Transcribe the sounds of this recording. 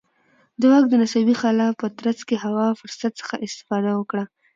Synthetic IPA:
d̪əwɑk̚d̪ənasabixɑlapət̪ɾat͡skeɦawɑfʊɾsat̪sə̥xaʔɪst̪ɪ̥fɑd̪awəkɽa

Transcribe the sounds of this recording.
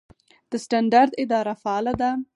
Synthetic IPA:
d̪̥əsʈaɳɖaɾd̪ɪd̪ɑɾafaɑlad̪a

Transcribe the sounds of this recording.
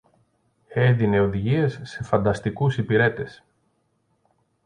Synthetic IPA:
e̞ðine̞o̞ðiʝie̞sːe̞fɐnd̪ɐst̪ikusipiɾe̞t̪e̞s

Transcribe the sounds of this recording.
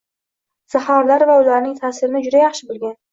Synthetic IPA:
z̥ahɒɾlaɾvaʊlaɾnɪŋt̪ʰaːsɪɾɪnɪd͡ʒʊd̪ajaχʃɪbolˠɡʲan

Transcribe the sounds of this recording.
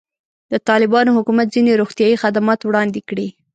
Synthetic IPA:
d̪ət̪ɑlɪbɑnohʊkumat̪̚zineɾoxt̪jɑjixad̪amɑt̪wɽɑnd̪ekɽi

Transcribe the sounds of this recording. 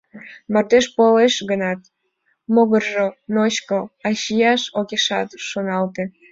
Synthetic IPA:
mɑrt̪eʃpoleʃɣənɑt̪ | moɣərʒonoɕkoɑɕijɑʃokeʃɑ̰t̪ʃonɑlt̪e

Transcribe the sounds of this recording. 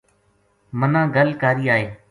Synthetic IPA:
mənãːɡəlkaːɾiːaːɦeː

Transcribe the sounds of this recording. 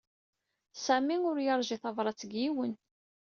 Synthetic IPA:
sæmiʊɾjəɾˤʒiθɑvɾˤɑt͡sːəɡjiwən

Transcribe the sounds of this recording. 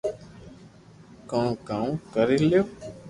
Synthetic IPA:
kãːkãːkəɾiljoː

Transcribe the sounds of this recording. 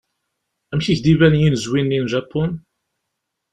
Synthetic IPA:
æmçiʝd̪ivænjinzwinlinʒɑpːʊn

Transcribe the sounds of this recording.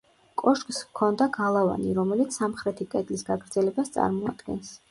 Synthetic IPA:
kʼɔʃkʼskʰɔnd̪aɡalˠava̰niɾɔmɛlit̪ssːamχɾɛt̪ʰikʼɛd̪lisɡaɡɾd̪zɛlɛbast̪sʼa̰ɾmɔa̰d̪̥ɡɛ̰ns

